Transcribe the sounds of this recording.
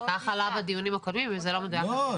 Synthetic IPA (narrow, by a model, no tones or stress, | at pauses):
aχalabad̪ijunimakodmimvezelomed̪aja